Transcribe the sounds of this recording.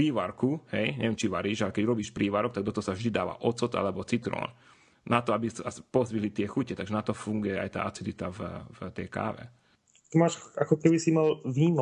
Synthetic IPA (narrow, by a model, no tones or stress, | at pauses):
iːʋaɾkuhɛjɲɛ̰ʋɛmt͡ʃiʋaɾiːʒalɛkɛɟɾɔbiːʃpɾʔiːʋaɾɔk̚t̪aɡ̚d̪ɔt̪ɔɦɔsavʒd̪id̪aːʋa̰ʔɔt͡sɔt̪a̰lɛbɔt͡sit̪ɾɔ̰ːn | nat̪ɔabisaspɔzʋiɦlit̪ɪɛxucɛt̪aɡʒɛnat̪ɔfuŋɡujɛa̰jt̪a̰ːʔat͡sid̪lit̪avvt̪ɛjka̰ːʋɛ̰ | t̪imaːʃakɔkɛbisimalʋiːm